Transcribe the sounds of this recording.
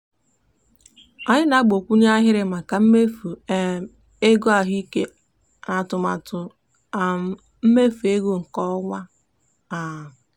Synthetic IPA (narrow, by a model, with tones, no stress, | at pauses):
a˨ɲɪ˦na˦ɡ͡bo˨kʷu˦ɲ˦a˦ɦɪ˦ɾɪ˨ma˨ka˨m̩˦me˦fu˨ | e˦ɡo˦a˨ɦi˦ke˦ | na˨tʊ˨ma˨tʊ˨ | m̩˦me˦fu˨e˦ɡo˦ŋ̩˨kɔ˦ŋʷa˦ | a˨